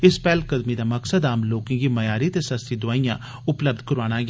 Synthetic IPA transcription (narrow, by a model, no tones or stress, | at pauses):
ɪspɛːlkəd̪mid̪aːməksəd̪aːmloːkɪ̃ɡiːmɐjaːɾiːt̪eːsəst̪id̪ʊaːijãː | ʊpləb̚d̪̚kəɾaːnãːɡ